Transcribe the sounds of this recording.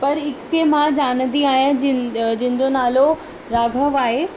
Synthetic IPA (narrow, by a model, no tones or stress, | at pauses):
pɐɾɪkːemãd͡ʑaːñənd̪iaːɦijãd͡ʑd͡ʑɪ̃ɦɪ̃d͡ʑonaːlo | ɾaːɡʱəʋaːɦe